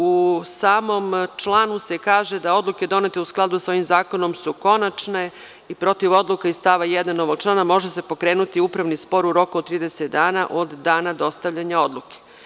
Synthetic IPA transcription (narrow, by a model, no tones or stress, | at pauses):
usaːmo̞mt͡ʃlˠaːnuse̞kaːʒed̪ao̞d̪lˠuke̞d̪o̞ne̞t̪eusklˠad̪usao̞ʋimzaːko̞no̞msuko̞nat͡ʃne̞ | ipɾo̞t̪iʋo̞d̪lˠukaist̪aʋajɛd̪anːo̞ʋo̞ɡ̚t͡ʃlˠaːnamo̞ʒese̞po̞kɾe̞ːnut̪iupɾaʋnispo̞ɾuɾo̞kuot̪ɾiːd̪eset̪d̪aːnaʔo̞d̪ːaːnad̪o̞st̪aʋʎaɲao̞d̪lˠuke̥